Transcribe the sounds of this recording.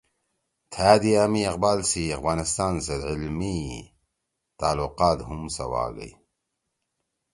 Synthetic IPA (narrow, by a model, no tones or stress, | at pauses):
t̪ʰaːd̪iamiɐqbaːlsiɐxvaːnist̪aːnsed̪ʕilmi | t̪aːluqaːt̪ɦumsɐ̰wa̰ːɡɐ̰i